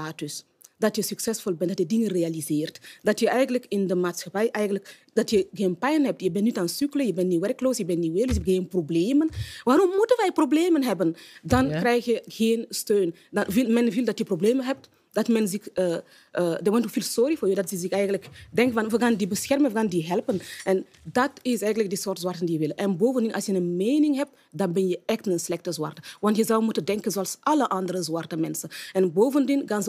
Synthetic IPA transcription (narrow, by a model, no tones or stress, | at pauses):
taːtys | dɐtjəsyksɛsfɔlˠbɛntdɑtjədɪŋənrealizeːrtdɑtjəʔɛjɣənləkɪndəmaːtsxapɛjʔɛjɣənlək | dɑtjəɣeːnpɛjnɦɛp̚tjəbɛnnitaːnsykləjəbɛnːiʋɛrkloːsjəbɛnːiʋeːləsɣeːnprobleːmənʋaːɾɔmːutənʋɛjprobleːmənɦɛbəndɑnkɾɛjxjəɣeːnstøːn | dvilmɛnvilˠdɑtjəprobleːmənɦɛp̚t | dɑtmɛnzɪkə | ədɑwɔntufiːlsoɾifoːrjədɑtɪzɪxɛjɣəntləkdɛŋkəfɑnʋəɣaːndibəsxɛrmənʋəɣaːndiɦɛlpənʔɛn | dɑtɪsɛjɣəntlək̚dəsoːrtzwartəndijəʋɪləʔɛnboːvəndɪnʔɑ̰lsjənənmejnɪŋɦɛp̚t | dɑnbɪnjəɛxtnənslɛxtəzwa̰rtəʋɑntjəzɑwmutəndɛŋkənzoɑlsʔɑləʔɑndəɾəzwartəmɛnsənɛnboːvəndɪnxanz